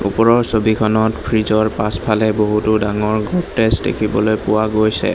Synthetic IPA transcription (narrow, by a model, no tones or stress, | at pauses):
ṵpɔɹɔɹsobikʰɔnɔtpʰɹizɔɹpaspʰalɛboɦutʊdaŋɔɹɡɔtestdḛkʰibɔlojpʊwaɡojsɛ̰